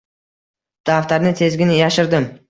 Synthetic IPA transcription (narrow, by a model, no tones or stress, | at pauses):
d̪̥aft̪aɾnɪt̪ʰe̞zɡʲɪnɪjaʃɪɾd̪ɪm